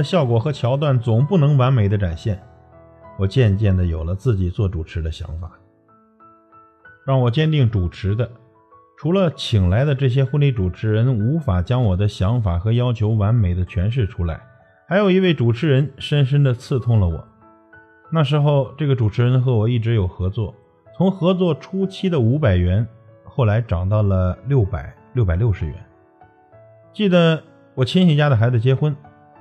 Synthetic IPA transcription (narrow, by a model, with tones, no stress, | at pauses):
ɕjɑ˥˩ʊkwɔ˨˩xɤ˧˥t͡ɕʰjɑ˧˥ʊt̪wa˥˩nt͡sʊ˨˩ŋpu˥˩nɤ˧˥ŋwa˧˥nme˨˩ɪd̪ə˦ʈ͡ʂa˨˩nɕjɛ˥˩n | wɔ˨˩t͡ɕjɛ˥˧nt͡ɕjɛ˥˩nd̪ə˩jo˨˩ʊlə˦t͡sɹ̩˥˩t͡ɕi˨˩t͡swɔ˥˩ʈ͡ʂu˨˩ʈ͡ʂʰɻ̩˧˥d̪ə˧ɕjɑ̰˧˥ŋfa˨˩˦ | ɻɑ˥˩ŋwɔ˨˩t͡ɕjɛ˥nt̪i˥˩ŋʈ͡ʂu˨˩ʈ͡ʂʰɻ̩˧˥d̪ə˧ | ʈ͡ʂʰu˧˥lə˧t͡ɕʰi˨˩ŋla˧˥ɪd̪ə˧ʈ͡ʂɤ˥˩ɕ̬jɛ˥xwu˥˧nli˥˩ʈ͡ʂu˨˩ʈ͡ʂʰɻ̩˧˥ɻə˧˥nu˧˥fa˨˩t͡ɕjɑ˥ŋwɔ˨˩d̪ə˦ɕjɑ˧˥ŋfa˨˩xɤ˧˥jɑ˥ʊt͡ɕʰjo˧˥ʊwa˧˥nme˨˩ɪd̪ə˦t͡ɕʰɥɛ˧˥nʂ̬ɻ̩˥˩ʈ͡ʂʰu˥la̰˧˥ɪ | xa˧˥ɪjo˨˩ʊi˧˥we˥˩ɪʈ͡ʂu˨˩ʈ͡ʂʰɻ̩˧˥ɻə˧˥nʂə˥nʂ̬ə˥nd̪ə˨t͡sʰɹ̩˥˧t̪ʰʊ˥˩ŋlə˨wɔ̰˨˩˦ | na˥˩ʂ̬ɻ̩˧˥xo˥˧ʊʈ͡ʂɤ˥˩ɡə˩ʈ͡ʂu˨˩ʈ͡ʂʰɻ̩˧˥ɻə˧˥nxɤ˧˥wɔ˨˩i˥˩ʈ͡ʂɻ̩˧˥jo˨˩ʊxɤ˧˥t͡swɔ̰˥˩ | t͡sʰʊ˧˥ŋxɤ˧˥t͡swɔ˥˩ʈ͡ʂʰu˥t͡ɕʰi˥d̪ə˨u˧˥pa˨˩ɪɥɛ˧˥nxo˥˩ʊla˧˥ɪʈ͡ʂɑ˨˩ŋt̪ɑ˥˩ʊlə˩ljo˥˩ʊpa̰˨˩˦ɪ | ljo˥˩ʊpa˨˩ɪljo˥˩ʊʂɻ̩˧˥ɥɛ̰˧˥n | t͡ɕi˥˩d̪ə˩ | wɔ˨˩t͡ɕʰi˥nɕi˧˩t͡ɕja˥d̪ə˩xa˧˥ɪt͡sa˥˩ɪt͡ɕjɛ˥xwə˥n